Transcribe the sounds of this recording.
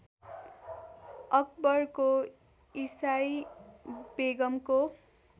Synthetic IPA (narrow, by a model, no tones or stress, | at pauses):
ʌkbʌrko | isaj | beɡʌmko